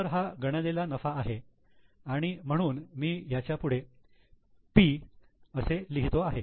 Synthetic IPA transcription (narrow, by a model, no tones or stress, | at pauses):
əɾɦaɡəɽ̃əlelanəfaːɦe | aɽ̃im̤əɽ̃uːnmiːjat͡ɕjapuɽ̤e | pi | əseliɦit̪oaɦe